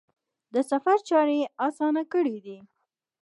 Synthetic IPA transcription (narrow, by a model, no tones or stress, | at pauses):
d̪əsafaɾt͡ʃɑɾeɑsɑnakəɽid̪i